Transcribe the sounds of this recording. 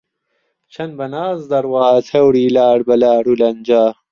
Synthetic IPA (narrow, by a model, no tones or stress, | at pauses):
t͡ɕʰɐnbɐnaːzd̪ɐɾwaːt̪ʰɐwɽiːlaːɽbɐlaːɽulɐnd͡ʑaː